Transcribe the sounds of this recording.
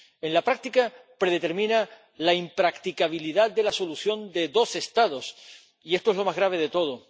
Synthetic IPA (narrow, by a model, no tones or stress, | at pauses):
e̞nlapɾak̚t̪ikapɾe̞ðe̞t̪e̞ɾmĩna | laimpɾakt̪ikaβ̞iliðat̪̚d̪e̞laso̞luθjo̞nd̪e̞ðo̞se̞st̪aðo̞s | ie̞st̪oelo̞mazɣɾaβ̞e̞ð̞e̞t̪o̞ð̞o